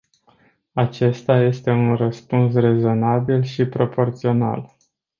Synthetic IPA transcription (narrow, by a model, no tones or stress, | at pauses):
at͡ʃe̞st̪aje̞st̪e̞unrəspuns̬re̞zo̞nabilʃipɾo̞po̞rt̪sio̞na̰l